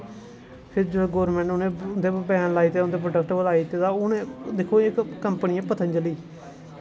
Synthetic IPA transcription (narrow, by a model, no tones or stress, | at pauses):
pʰɪɾd͡ʒɡoːɾmɛ̃ːɳʈʊnẽːʊnd̪eːpɛːnlaːiːt̪eːʊnd̪eːp̬ɾoːʈəkʈbəlaːiːt̪eːt̪aːʊnẽːd̪ɪkʰːoːɪkkəmpəniːɛ̃ːpət̪ʰənd͡ʒəliː